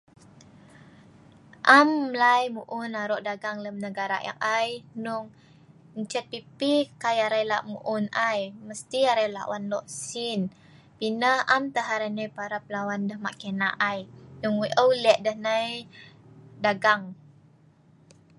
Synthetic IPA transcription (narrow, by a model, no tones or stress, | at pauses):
ʔamlajmuʔunaɾɔʔdaɡaŋləmnəɡaɾa̰ʔja̰ŋʔajnuŋ | nt͡ʃɛt̪̚pipikajaɾajlaʔmuʔunajməst̪iaɾajla̰ʔwanlɔʔsin | pinəhamt̪əɦaɾajnajpaɾapəlawandəhma̰ʔkenaʔajnuŋiʔəwlɛʔdəhnaj | daɡaŋ